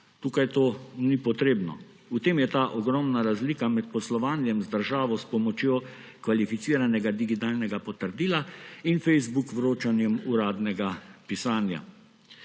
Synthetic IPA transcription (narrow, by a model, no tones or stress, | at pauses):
t̪uːkajt̪oːnipɔt̪ɾeːbnɔ̰ | ut̪eːmjɛt̪aːʔɔɡɾɔmnaɾazlikamɛt̪̚pɔslɔʋaːnjɛmzd̪əɾʒaːʋɔspɔmɔt͡ʃjoː | kʋalifit̪siːɾanɛɡad̪iɡit̪aːlnɛɡapɔt̪əɾd̪iːlainfɛjzbukʋɾoːt͡ʃanjɛmuɾaːd̪nɛɡapisaːnja̰